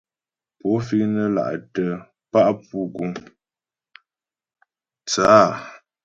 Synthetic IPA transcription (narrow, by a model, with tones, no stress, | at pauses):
po˨˦fi˦nə˦la̰˨ʔtə˦ | pa˦ʔpu˦ɡu˦ŋ | t͡saː˦˨